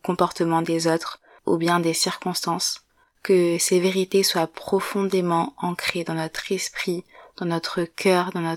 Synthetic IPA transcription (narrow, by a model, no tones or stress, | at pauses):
kɔ̃pɔʁt̪əmɑ̃d̪ezot̪χ | ṵbjɛ̃d̪esiʁkɔ̃st̪ɑ̃s | kəseveʁit̪eswapχɔfɔ̃d̪emɑ̃ɑ̃kχed̪ɑ̃nɔt̪χɛspχid̪̥ɑ̃nɔt̪χəkʲʰœːʁd̪ɑ̃nɔ